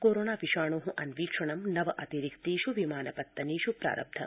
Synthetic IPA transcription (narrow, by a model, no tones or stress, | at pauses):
koːɾoːnaːʋiʃaːɳ̃oɦũʔɐnʋiːkʂɐɳɐmnɐʋɐʔɐt̪iɾikt̪iːʃuʋimaːnɐpɐt̪ːɐniːʃupɾa̰ːɾɐ̰b̚d̪ʱɐ̰